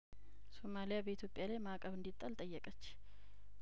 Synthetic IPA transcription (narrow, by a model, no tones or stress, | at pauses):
so̞malijabəit̪ʰjopʼːjalajmakʼəβɨnd̪it̪ʼːalt̪ʼəjːɛkʼət͡ʃː